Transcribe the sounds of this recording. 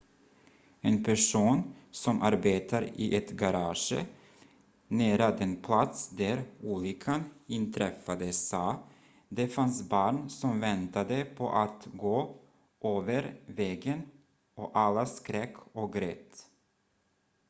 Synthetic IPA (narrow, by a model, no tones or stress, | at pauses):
ɛnpʰæʂuːnsɔmʔaɾbeːt̪aɾɪ̰ʔɛt̪ɡaɾɑːʂə̰ | næːɾad̪ɛnpʰlat̪sd̪æɾuːlikʰanɪnt̪ʰɾɛfːad̪əsɑː | d̪ɛfansbɑːɳsɔmvɛnt̪ad̪əpʰɔ̰ʔat̪ɡoː | ʔøːvəɾvɛːɡən | ɔʔalːaskɾɛkʰːɔɡɾɛːt̪